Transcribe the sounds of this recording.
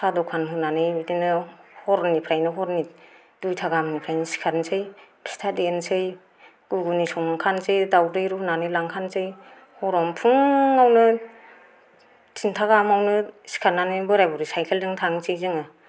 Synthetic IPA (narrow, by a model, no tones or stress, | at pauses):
sʰadɔkʰanɦunanɯjbidinɯhɔɾnipʰɾajnɯɦɔɾni | dujtʰaɡamnipʰɾajnɯsi̥kʰansʰɯjpʰi̥stʰadensɯj | ɡ̥uɡunisɔŋkʰansɯjdawdɯjɾunanɯjlaŋkʰansɯj | hɔɾɔmpʰuŋawnɯ | tʰintʰaɡamawnɯsi̥kʰananɯjbɯɾajbɔɾisajkʰeldɯŋtʰaŋsijzɯŋɯ